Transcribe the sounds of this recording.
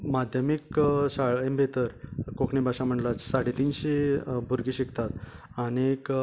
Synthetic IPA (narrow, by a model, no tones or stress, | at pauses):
mad̪ʱjəmikɕaɭembʱet̪əɾkokɳibʱaɕãm̤əɳlat͡ssaɽet̪iːnɕebʱuɾɡiɕikʰt̪at̪ | añek